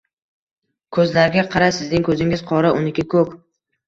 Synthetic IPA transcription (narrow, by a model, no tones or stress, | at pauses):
kʰɵzlaɾɡʲaqʰɑɾasɪznɪŋkʰɵzɪŋɪzqʰɒɾaʊnɪkʲɪkʰɵk